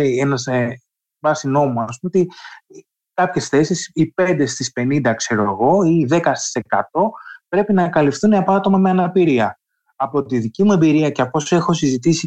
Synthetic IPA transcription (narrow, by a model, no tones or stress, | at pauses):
enɐs | bɐsino̞muɐs̬pumot̪i | kɐpçe̞sθe̞sisipe̞nd̪e̞st̪ispe̞nind̪ɐkse̞ɾo̞eɣo̞iðe̞kɐst̪i̥se̞kɐt̪o̞pɾe̞pinɐkɐlifθuneɐpoɐt̪o̞mɐmeɐnɐpiɾiɐ | ɐpo̞t̪iðicimue̞mbiɾiɐceɐpo̞se̞xo̞sizit̪isi